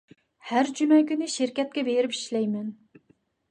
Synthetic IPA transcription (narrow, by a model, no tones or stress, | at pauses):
hæɾd͡ʒymɛkʲynɪʃiɾkʲɛt̪̚kʲɛbeɾɪpi̥ʃlɛjmɛn